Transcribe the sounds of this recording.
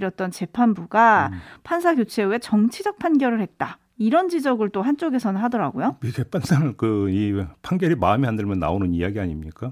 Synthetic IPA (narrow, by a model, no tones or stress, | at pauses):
ɾjʌt̚t͈ʌnt͡ɕe̞pʰanbuɡapʰansʰaɡjot͡ɕʰe̞wet͡ɕʌŋt͡ɕʰid͡ʑʌk̚pʰanɡjʌɾɯɭhe̞t̚t͈a | iɾʌnd͡ʑid͡ʑʌɡɯɭt͈oɦant͡ɕ͈oɡe̞sʰʌnɯnɦadʌɾaɡojopiɡepʰansʰaŋɯkɯipʰanɡjʌɾimaɯmiɦandɯɭmjʌnːa̰onɯnijaɡiaɲimɲik͈a